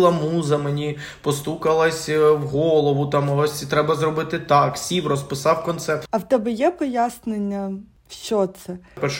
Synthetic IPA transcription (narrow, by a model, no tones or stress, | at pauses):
lˠɐmuzɐmenʲi | pɔst̪ukɐlˠɐsʲwɦɔlˠɔʋʊt̪ɑmɔsʲt̪ɾɛbɐzrɔbɪt̪ɪt̪ɑksʲiwrɔspɪsɑwkɔnt̪sɛrt̪ɐwt̪ɛbɪjɛpɔjasnenʲːɐ | ʃt͡ʃɔt̪sɛpɛrʃ